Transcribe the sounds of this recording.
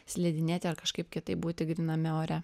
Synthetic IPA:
sʲlʲɛːd̪ʲɪnʲeːt̪ʲɪɐɾkɐʃkɐɪpkʲɪt̪ɐɪp̚buːt̪ʲɪɡɾʲɪnɐmʲɪoːɾʲɛ

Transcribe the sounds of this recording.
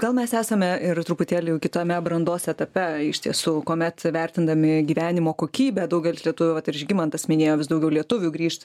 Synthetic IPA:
ɡ̥ɐlˠmʲɛsæːsɐmʲɛɪrt̪ɾupʊt̪ʲeːlʲɪjɛʊkʲɪt̪oːmʲɛbɾɐnd̪oːsɛt̪ɐpʲɛɪʃʲt̪ʲiɛsuːkoːmʲɛt̪ʋʲærʲt̪ʲɪnd̪ɐmʲɪɡʲiːʋʲæːnʲɪmoːkoːkʲiːbʲɛd̪ɐʊɡʲɛlʲɪslʲiɛt̪ʊʋʲʊʋɐt̪ɪɾɪʒʲɡʲɪmɐnt̪ɐsʲmʲɪnʲeːjoːʋʲɪsd̪ɐʊɡʲɛʊlʲiɛt̪ʊʋʲʊɡɾʲiːʃt̪

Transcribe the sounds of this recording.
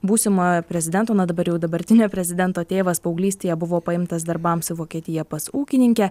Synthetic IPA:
buːsʲɪmɐpʲɾʲɛzʲɪd̪ʲɛnt̪oːnɐd̪ɐbɐɾjɛʊd̪ɐbɐɾʲt̪ʲɪnʲoːpʲɾʲɛzʲɪd̪ʲɛnt̪oːt̪ʲeːʋɐspɐʊɡlʲiːsʲt̪ʲeːjɛbʊʋoːpɐɪmt̪ɐs̬d̪ɐɾbɐmsɪʋoːkʲiɛt̪ʲɪjɛpɐsuːkʲɪnʲɪŋʲkʲɛ

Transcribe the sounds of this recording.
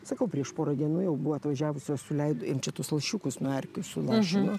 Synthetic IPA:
sɐkɐʊpʲrʲiɛʃpoːɾɐd̪ʲiɛnuːjɛʊbuʋɐɐt̪ʋɐʒʲæːʋʊsʲosʊlʲɛɪd̪oːjɪmt͡ʃʲɛt̪ʊslˠɐʃʲuːkʊsnɐrʲkʲʊsʊlˠɑʃʲɪnʊ

